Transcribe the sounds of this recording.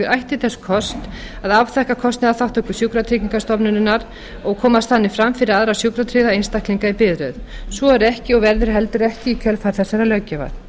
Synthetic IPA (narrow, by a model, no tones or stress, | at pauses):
ɪɾʔajht̪ɪθɛsːʏ̥kʰɔst̪ | aðavθɛhkakʰɔst̪nɪðaθawht̪ɔhkʏsjuwkɾat̪ʰɾiciŋkast̪ɔpnʏnɪnːaɾ | ɔɣkʰɔːmast̪θanːɪfɾamfɪɾɪɾaðɾasjuwkɾat̪ʰɾɪðaejnst̪akliŋkaipɪðɾʏðsvɔɛɾɛhcɪɔɣvɛɾðɪɾɦɛlt̪ʏɾɛhcɪikʰœlfaɾ̥θɛsːɛɾalœɥcːɛva̰θ